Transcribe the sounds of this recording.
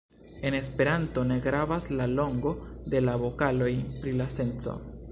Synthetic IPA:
e̞ne̞spe̞ɾanto̞ne̞ɡɾavaslalo̞ŋɡo̞de̞laβo̞kalo̞jpɾilase̞nt͡so̞̰

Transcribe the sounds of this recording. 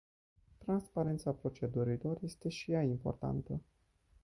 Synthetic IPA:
t̪ɾanspaɾe̞nt̪sapɾo̞t͡ʃe̞d̪uɾilo̞rje̞st̪e̞ʃijaimpo̞̰rt̪a̰nt̪ə

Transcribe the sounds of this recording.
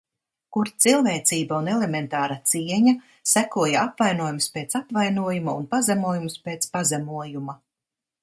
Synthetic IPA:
kuɾt̪silˠveːt̪siːbaunɛlement̪aːɾat̪siɛɲa | sækuɔjaapvajnuɔjumspet̪sapvajnuɔjumaṵnpazɛmuɔjumuspeːt̪spazɛmuɔjuma

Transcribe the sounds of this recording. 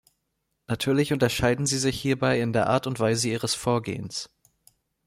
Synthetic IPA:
natʰyːɐlɪçʊntɐʃaɪdn̩ziːzɪçhiːɐbaɪɪndeːɐʔa̰ːɐtʊntv̥aɪzəiːʁ̞əsfoːɐɡḛːəns

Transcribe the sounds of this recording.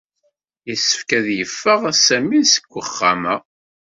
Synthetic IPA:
isːə̥fkæðjəfːəʁæsæminsə̥kʷːəχːamæ

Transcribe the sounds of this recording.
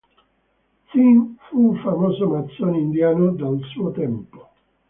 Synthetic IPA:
t̪simfufamoːzonat̪sːjoːneind̪jaːnod̪alsuːot̪ɛmpo̥

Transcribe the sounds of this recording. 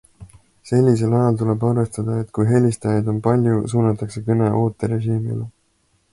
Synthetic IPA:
se̞lʲːise̞lɑjɑlt̪ule̞bɑrve̞st̪ɑd̪̥ɑet̪ːkujɦe̞lʲist̪ɑjɑd̪̥o̞npɑlʲjusuːnɑt̪ːˑɑkse̞kɤne̞ʔo̞ːt̪ːˑeɾe̞ʒiːmḭle

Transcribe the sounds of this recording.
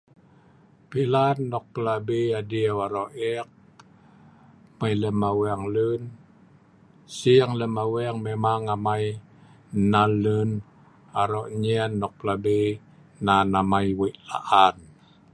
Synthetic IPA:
pilanːɔk̚pəlabeadiawaɾoʔɛk̚ | məjləmawɛŋlən | siŋləmawɛŋmemaŋamaj | nalən | aɾɔʔɲɛnːɔk̚pəlabe | nanamaiweʔla̰ʔan

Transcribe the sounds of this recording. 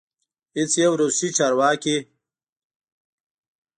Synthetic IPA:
it͡sjewɾusit͡ʃaːɾwaːki

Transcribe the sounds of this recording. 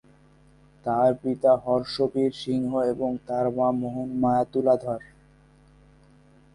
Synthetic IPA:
t̪aɾpit̪aɦɔɾʃopiɾʃiŋɦoeboŋt̪aɾmamoɦonmajat̪ulad̪ʱɔɾ

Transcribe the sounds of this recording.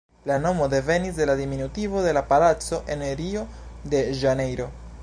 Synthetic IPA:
lano̞mo̞de̞ve̞nisde̞ladiminutivo̞de̞lapalat͡so̞ʔe̞neɾio̞de̞ʒane̞jɾo̞

